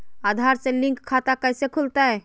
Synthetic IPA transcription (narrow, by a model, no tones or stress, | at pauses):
ad̪ʱaɾselĩŋkʰːat̪akəjsekʰult̪aɛ